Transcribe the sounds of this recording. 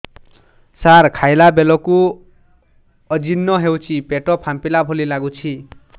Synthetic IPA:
sarkʰajlabelɔku | ʌd͡zinːʌɦewt͡sʰipeʈɔpʰampilabʱolilaɡut͡sʰi

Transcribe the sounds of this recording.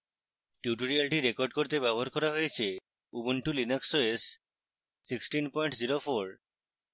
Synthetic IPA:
ʈjuʈoɾialʈiɾekoɾɖ̚koɾt̪ebɛboɦaɾkɔɾaɦojet͡ɕʰe | ubuɳʈulineksoesː | iksʈinpɔjɳʈd͡ʑiɾofʰoɾ

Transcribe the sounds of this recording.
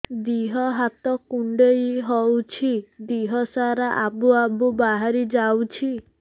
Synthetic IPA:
d̪iɦɔɦat̪ɔkuɳɖejɦɔwt͡ʃʰid̪iɦɔsaɾaʔabuabubaɦaɾid͡ʒawt͡ʃʰi

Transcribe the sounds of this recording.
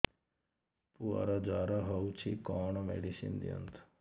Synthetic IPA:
pua̰ːɾad͡ʒaːɾaɦɐut͡ʃʰikɔːɳmḛːɖisḭnd̪ḭə̰nt̪ʰ

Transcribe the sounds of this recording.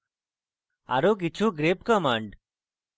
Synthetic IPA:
a̰ɾok̬it͡ɕʰuɡɾepkəmãɳɖ

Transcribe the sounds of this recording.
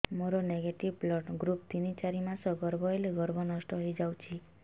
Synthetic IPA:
moɾoneɡeʈiʋplɔʈɡɾup̚t̪init͡ʃaɾimãsɔɡɔɾbʱɔeleɡɔɾbʱɔnɔsʈɔɦəid͡ʒawt͡ʃʰi

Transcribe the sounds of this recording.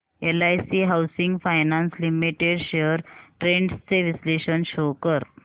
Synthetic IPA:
elajsiɦawsiŋɡfajnãnslimiʈeɖɕeəɾʈɾẽɳɖst͡seʋisleɕənɕokəɾ

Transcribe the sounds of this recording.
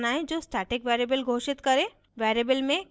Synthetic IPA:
naːẽd͡ʒoːsʈʰaːʈɪkʋeːɾebəlɡʱoːʃɪt̪kəɾẽ | ʋɛːɾeːbəlmẽ

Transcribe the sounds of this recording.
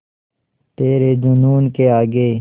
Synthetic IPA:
t̪eːɾed̪unuːnkeaːɡeː

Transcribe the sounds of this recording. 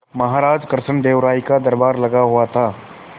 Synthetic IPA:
mɐɦaːɾaːd͡ʒkɾʃəɳd̪eːʋɾaːikad̪ɐɾbaːɾlɐɡaɦuat̪ʰaː

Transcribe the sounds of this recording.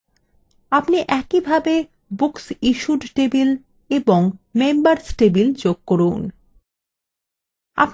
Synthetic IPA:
apniʔɛkibʱabe | buksiʃuɖʈebil | eboŋmembaɾsʈebild͡ʑoɡ̚koɾun | a̰p

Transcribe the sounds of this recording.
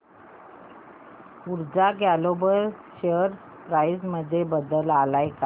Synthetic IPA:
uɾd͡zaɡalobəɾɕeəɾ | pɾajsməd̪ʱːjebəd̪əlalajka

